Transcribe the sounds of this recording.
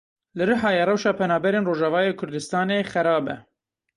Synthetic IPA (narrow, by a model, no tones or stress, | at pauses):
lɨɾɨɦɑːjerɛwʃɑːpʰɛnɑːbɛɾeːnroːʒɛvɑːjeːkʰʊɾd̪ɨst̪ɑːneːxɛɾɑːbɛ̰